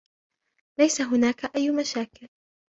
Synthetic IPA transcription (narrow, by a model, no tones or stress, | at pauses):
lajsaɦʊnaːkaʔajːmaʃaːkɪl